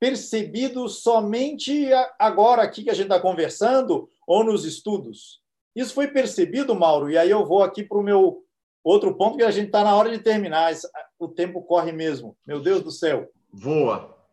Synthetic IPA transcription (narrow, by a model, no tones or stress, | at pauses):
peɾsebid̪ʊsɔmẽnt͡ʃɪaɡɔɾɐakikɪɐʒẽtt͡ʃɪt̪akõveɾsɐ̃nd̪ʊ | ownʊzɪst̪ud̪ʊs | isʊ̥fojpeɾsebid̪ʊmawɾʊɪaiewvowakipɾʊmew | owt̪ɾʊpõt̪ʊkɪaʒẽnt͡ʃɪt̪anɐɔɾɐd͡ʒɪt̪eɾminaɛsʊt̪ẽmpʊkɔɦɪmezmʊmewd̪ewzd̪ʊsɛw | voɐ̰